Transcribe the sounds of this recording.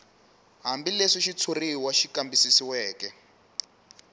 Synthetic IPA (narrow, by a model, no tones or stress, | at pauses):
ɦambileʂiʃit͡sʰoriwaʃikambisisiwɛːkɛ